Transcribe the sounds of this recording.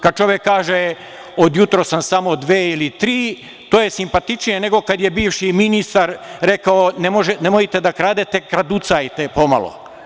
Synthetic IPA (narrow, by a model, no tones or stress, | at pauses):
kad̪̚t͡ʃo̞ʋjekːaːʒe | od̪jut̪ɾosamsamo̞d̪ʋeːilit̪ɾiː | t̪oːjesimpat̪it͡ʃnijene̞ɡo̞kad̪jebiːʋʃiminist̪aɾɾekaonemoʒenemojit̪ed̪akɾaːd̪et̪ekɾad̪ut̪sajt̪epo̞ma̰lˠo̰